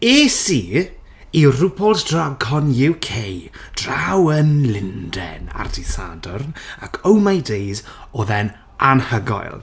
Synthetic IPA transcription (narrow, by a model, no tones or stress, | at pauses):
esiː | irʊpʰɔlˠtd̥raɡhɔnjɪwkʰejd̥rawənlɪndɛ̰na̰rdisa̰dɔrnakʰowmajdejzɔðɛn | ʔanhəɡɔ̰jlˠ